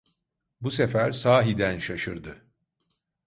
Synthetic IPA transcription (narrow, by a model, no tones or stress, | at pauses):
busefæɾsaːɦid̪ænʃaʃɯɾd̪ɯ